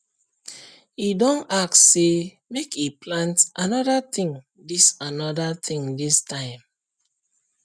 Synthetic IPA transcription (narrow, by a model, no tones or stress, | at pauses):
idɔ̃naktse | mekʰiplãntʔanɔdat̪ĩŋ | disanɔdat̪ĩŋdistãɪ̃m